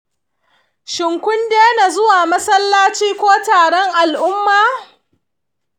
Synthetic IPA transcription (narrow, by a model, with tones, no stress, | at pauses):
ʃɪ˨ŋkʷʊ˦ndeː˦na˨zʊ˦waː˨mɐ˦sɐ˦lːaː˦t͡ʃiː˦kʷoː˦taː˨ɽɔ˦ŋʔa˨lʔʊ˦mːaː˨